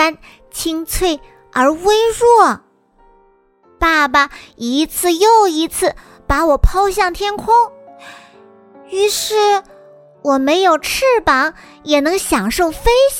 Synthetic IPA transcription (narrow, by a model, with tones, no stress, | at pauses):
a˥n | t͡ɕʰi˥ŋt͡sʰwe˥˩ɪ | ə˞˧˥we˥ɪɹwɔ˥˩ | pa˥˩ba˩i˧˥t͡sʰɹ̩˥˧jo˥˩ʊi˧˥t͡sʰɹ̩˥˩ | pa˧˥wɔ˨˩pʰɑ˥ʊɕjɑ˥˩ŋt̪ʰjɛ˥nkʰʊ˥ŋ | y˧˥ʂɻ̩˥˩ | wɔ˨˩me˧˥ɪjo˨˩ʊʈ͡ʂ̩ʰ˥˩pɑ˧˥ŋjɛ˨˩nɤ˧˥ŋɕjɑ˨˩ŋʂo˥˩ʊfe˥ɪ